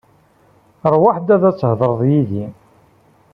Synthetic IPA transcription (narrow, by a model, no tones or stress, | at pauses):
ɾˤwaħd̪æðæt͡sːhðˤəɾˤðˤjiði